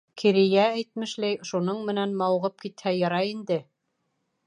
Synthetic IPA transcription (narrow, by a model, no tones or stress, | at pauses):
kʰiɾijææjt̪̚mɘ̆ʃlæjʃunɤɴmɘ̆nænmɑwʁɤp̚kit̪hæjɑɾɑind̪ɘ